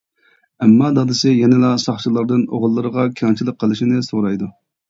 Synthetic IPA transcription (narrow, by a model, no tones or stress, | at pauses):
ɛmːɑd̪ɑd̪ɨsɪjɛnɪlˠɑsɑχʃilˠɑɾd̪ɨno̰ʁlˠːɨɾəʁɑkʲʰiɑnt͡ʃʰilˠəqʰːəlˠɨʃinɪsoɾɑjd̪u